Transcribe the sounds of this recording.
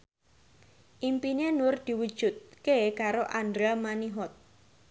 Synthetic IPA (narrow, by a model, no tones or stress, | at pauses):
ʔimpinenʊrd̪̥i̤wud̥ʒ̥ṳt̪̚kekaɾoʔandɾamaniɦɔt̪̚